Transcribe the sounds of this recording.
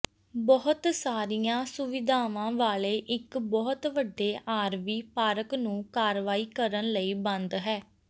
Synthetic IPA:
bɔɦʊt̪saːɾijãːsʊʋɪd̪ʱaːʋãːʋaːleːʔɪkbɔːt̪ʋəɖːeːʔaːɾʋiːpaːɾəknũːkaːɾʋaːiːkəɾənləiːbə̃nd̪ɦɛː

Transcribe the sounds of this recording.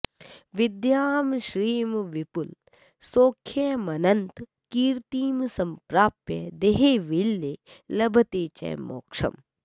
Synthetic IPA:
ʋid̪jaːmʃɾiːmʋipul | soːkʰjemɐnɐnt̪ | kiːɾt̪iːmsɐmpɾaːpjḛd̪eɦeːʋilːeːlɐbʱɐt̪eːt͡ʃɐ̰ːmo̰ːkʂɐ̰m

